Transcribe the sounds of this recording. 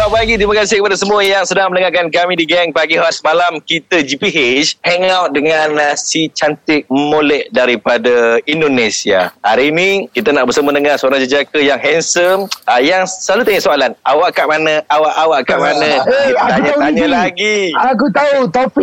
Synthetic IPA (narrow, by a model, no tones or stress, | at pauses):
apaɡit̪ɾimakas̬ɪhkəpadasəmuajaŋsədaŋmənəŋakankamĩdiɡɛŋpaɡihaasəmalamkit̪əd͡ʒipiɦeshɛŋawt̪̚dəŋanasit͡ʃant̪ɪk̚molɛhdaɾipadaindonesia̰aɾinikit̪anaʔbərsəmənəŋarsəoɾaŋd͡ʒəd͡ʒakəjaŋɦɛnsəəjaŋsəlalut̪aɲəʔsoalanawaʔkaʔmanəawaʔawaʔkaʔmanə̃t̪aɲãt̪aɲãlaɡiakut̪aut̪api